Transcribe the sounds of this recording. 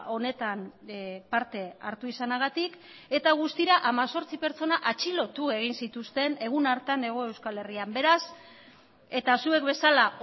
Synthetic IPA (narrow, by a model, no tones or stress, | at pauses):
o̞ne̞t̪anpaɾt̪e̞aɾt̪uisanaɣ̞at̪ik | e̞t̪aɣ̞ust̪iɾaʔamaso̞ɾt͡sipe̞ɾt͡so̞naʔat͡ʃilo̞t̪ue̞ɣ̞insit̪ust̪e̞ne̞ɣ̞unaɾt̪ane̞ɣ̞o̞e̞wskale̞riambe̞ɾas | e̞t̪asue̞kbe̞sala